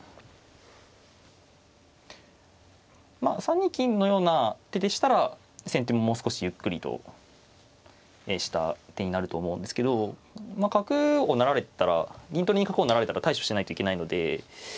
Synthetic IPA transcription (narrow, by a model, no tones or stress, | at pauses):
masãɲ̟ːĩkʲĩnnːo̞jo̞ːnat̪e̞d̪eɕi̥t̪aɾa | sẽ̞nt̪emːo̞mo̞ːsɨ̥ko̞ɕijɯ̟kːɯ̟ɾʲit̪o̰ | eɕi̥t̪a̰t̪e̞ɲ̟inaɾɯ̟t̪o̞ːmo̞ɯ̃nd̪esɨ̥ke̞d̪o̞makakɯ̟onaɾaɾe̞t̪aɾa̰ɡʲĩt̪oɾiɲikakɯ̟o̞naɾaɾe̞t̪aɾat̪aiɕo̞̥ɕt̪enait̪o̞ike̞naino̞d̪e̞